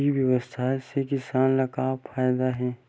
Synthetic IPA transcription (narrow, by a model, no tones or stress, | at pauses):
iʋjɐʋəst̪ʰasekɪsaːnlɐkaːfʰaːjd̪aɦɛː